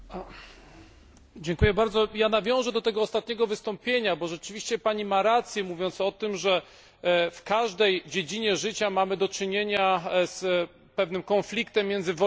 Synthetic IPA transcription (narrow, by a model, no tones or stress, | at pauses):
d͡ʑɛŋkujɛbaɾd̪zɔjanavʲjɔ̃w̃ʐɛd̪ɔt̪ɛɡɔːst̪at̪̚ɲɛɡɔvɘst̪ɔmpʲjeɲabɔʐɛt͡ʂɘvʲiɕt͡ɕɛpaɲimaɾat̪sʲjɛmuvʲjɔnt̪sɔt̪ɘmʐɛ | fkaʐd̪ɛjd͡ʑed͡ʑiɲɛʐɘt͡ɕamamɘd̪ɔt͡ʂɘɲeɲas | pɛvnɘmkɔnflʲikt̪ɛmːʲjɛnd̪zɘvɔ